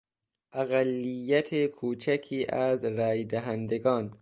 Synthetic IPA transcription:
ʔæɣælːijːæt̪ʰekʰuːt͡ʃʰækʰiːʔæzɾæːjd̪æɦænd̪eɡɒːn

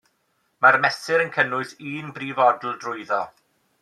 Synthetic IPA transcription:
marmɛsɪɾənkʰənʊɨsiːnbriːvɔdl̩ˠdrʊɨðɔ

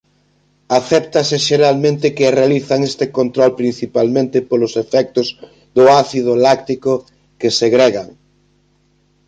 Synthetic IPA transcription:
aθɛpt̪asɪʃeɾalmẽnt̪ɪkɪrealiθaŋest̪ekont̪ɾɔlpɾin̟θipalmẽnt̪ɪpolʊsefɛk̚t̪ʊz | ðʊaθiðʊlakt̪ikʊ | keseɣɾeɣaŋ

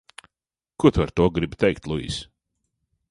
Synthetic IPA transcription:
kut̪aɾt̪uɔɡɾibt̪ɛjkt̪lˠuḭːs

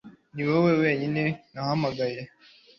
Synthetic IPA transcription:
niwewewe̞ːɲinewahamaɡaje

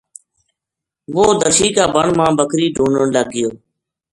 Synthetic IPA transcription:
ʋoːd̪əʃiːkaːbəɳmãːbəkɾiːɖʱuːɳəɳləɡɪjoː

